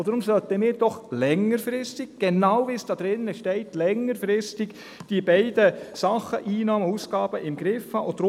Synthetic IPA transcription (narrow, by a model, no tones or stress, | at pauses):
od̥ɾʊmsœlt̪əmɪːɾd̥ɔχlɛŋəɾfɾɪstɪɡ̚ɡ̥enawviːsd̥ɑːd̪̥ɾɪnːəʃtɛɪtlɛŋəɾfɾɪstɪɡ | d̥ibɛɪd̥əsɑχəʔiːnɑːməuːsɡ̥ɑːb̥əʔɪmɡɾɪfhɑːʔod̪ɾʊ